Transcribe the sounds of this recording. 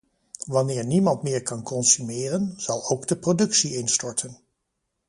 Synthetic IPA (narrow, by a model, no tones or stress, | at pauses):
ʋɑnɪːɹnimɑntmɪːɹkɑnkɔnsymɪːrənz̥ɑlˠowɡdəprodɵksiɪnstɔɹtʰən